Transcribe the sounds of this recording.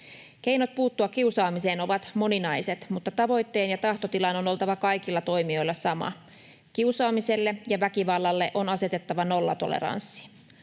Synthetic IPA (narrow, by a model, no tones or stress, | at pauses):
ke̞jno̞t̪̚puːt̪ːuɑkkːiusɑːmise̞ːno̞ʋɑt̪mo̞ninɑjse̞t̪mut̪ːɑt̪ɑʋo̞jt̪ːe̞ːnjɑt̪ɑht̪o̞t̪ilɑno̞no̞lt̪ɑʋɑkɑjkilːɑt̪o̞jmio̞jlːɑsɑmɑ̰ | kiusɑːmise̞lːejɑʋækiʋɑlːɑlːe̞ʔo̞nɑse̞t̪et̪ːɑʋɑno̞lːɑ̰t̪o̞̰lḛɾɑ̰nsːi̥